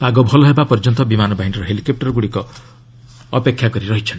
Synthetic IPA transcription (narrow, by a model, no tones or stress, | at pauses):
paɡɔbʱɔlɔɦebapɔɾd͡ʒɔnt̪ɔbimanɔbaɦinɔɾɔɦelikɔp̚ʈɔɾɡuɽikɔː | pekʰːjakɔɾiɾɔɦit͡ʃʰɔn